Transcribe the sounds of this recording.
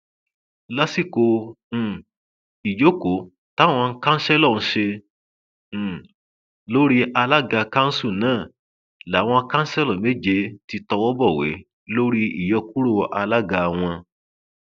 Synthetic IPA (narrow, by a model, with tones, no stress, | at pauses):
la˦si˦˨kõ˧˨ | i˨jo˨˦ko˨˦ | ta˦˨w̃ɔ̃˧˦kã˦n̩˦ʃɛ˦lɔ˦˨n̩˦ʃe˧˨ | lo˦ɾi˦ʔa˧la˦ɡa˧kã˦n̩˦su˦˨nãː˦˨ | la˨˦w̃ɔ̃˧kã˦n̩˦sɛ˦lɔ˦˨me˦d͡ʒe˧ti˧tɔ˧wɔ˦bɔ˦˨wḛ˨˦ | lo˦ɾi˦ḭ˨jɔ˧ku˦ɾo˦˨ʔa˧la˦ɡa˧a˧w̃ɔ̃˧